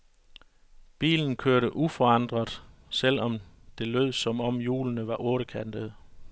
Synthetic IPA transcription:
b̥ḭːln̩kʰøɐɾəʔufɒ̽ɑ̈nd̥ʁɐðˠsel̰ɒ̽md̥e̝lø̰ð̰ˠsɒ̽mɒ̽mjṵːlnəʋɑ̈ʔɔ̽ːɾəkʰænd̥əð̩ˠ

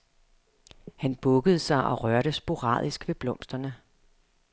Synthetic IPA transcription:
hænb̥ɔ̽ɡ̥əð̞̩ˠsɑ̈ɪʔɒ̽ʁɶɐɾəsb̥o̝ʁɑ̰̈ð̞̰ˠisɡ̥ʋe̝b̥lɔ̽m̰sd̥ɐnə

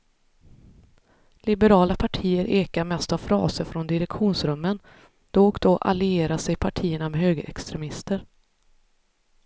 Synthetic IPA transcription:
lɪbəɾɑːlapʰaʈʰiːəɾʔeːkaɾmɛst̪avfɾɑ̰ːsəɾfɾɔnd̪ɪɾɛkɧuːnsɾɵmːən | d̪̥ɔɔkd̪ɔʔa̰lɪeːɾaʂɛjpʰaʈʰiːəɳamɛɦøːɡəɾʔɛ̰kst̪ɾɛmɪst̪əɾ

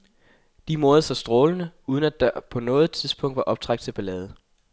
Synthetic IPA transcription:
d̥imo̝ɐð̩ˠsɒsd̥ʁɔːlənəuːð̞ˠən̩æd̥ɑpʰɒ̽nɔ̽ːð̞̩ˠt͡sʰiðˠsb̥ɔ̽ŋ̰d̥ʋɑ̈ʔɒ̽b̥̚t͡sʰʁɑ̈ɡ̥d̥t͡sʰe̝b̥ælɛːð̞ˠə

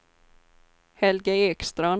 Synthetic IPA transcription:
hɛlɡəɛːkst̪ɾan

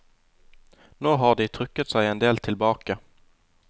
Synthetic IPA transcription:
noːɦaɖɪt̪ʰɾʏkːət̪sɛjɛnd̪eːlt̪ʰɪlbɑːka

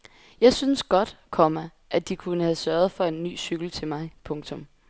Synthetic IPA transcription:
jɑ̈ɪsynəsɡ̥ɒ̽d̥kʰɒmæ | ʔæd̥ikʰunəhæðˠsɶɐð̞̩ˠfɒ̽e̝nːy̰ːsyɡ̥l̩t͡sʰe̝lmɑ̈ɪpʰɔ̽ŋt͡sʰɔ̽m

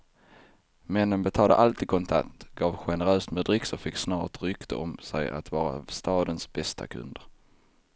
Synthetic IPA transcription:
mɛnːənbɛt̪ʰɑːd̪ə̰ʔalt̪ʰiːd̪̚kʰɔnt̪ʰa̰t̪ɡ̥ɑːvɧɛnəɾøːst̪mɛd̪ɾɪksɔfɪksnɑːʈɾʏkt̪ʰəɔmsɛ̰ja̰t̪vɑːɾa̰st̪ɑːd̪ənsbɛst̪ʰa̰kʰɵ̰nd̪əɾ

